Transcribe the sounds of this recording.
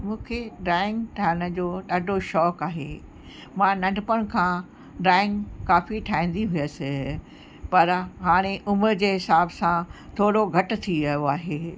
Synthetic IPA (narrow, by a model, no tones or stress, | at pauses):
mũːkʰeɖaːɪ̃ŋɡʈʰaːɦɪɽ̃ə̆d͡ʑoːɗaːɖʱoʃɔːkaːɦeː | mãnɐ̃ɖʱɪpəɽ̃̆kʰãː | ɖaːɪ̃ŋɡkaːfiʈʰaːĩːn̆d̪iɦʊjəsɪ | pɐɾɦaːɽ̃eʔʊməɾd͡ʑeːɦɪsaːbsãt̪ʰoːɽoɡʱɐʈʊ̆t̪ʰiɐjoaːɦeː